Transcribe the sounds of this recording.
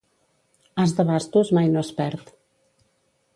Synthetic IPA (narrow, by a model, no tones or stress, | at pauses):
azðəβast̪uzmajnoəspɛɾt̪